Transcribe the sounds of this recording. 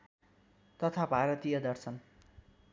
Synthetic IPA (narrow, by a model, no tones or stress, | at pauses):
t̪ʌt̪ʰabʱaɾʌt̪ijʌd̪ʌrsʰʌn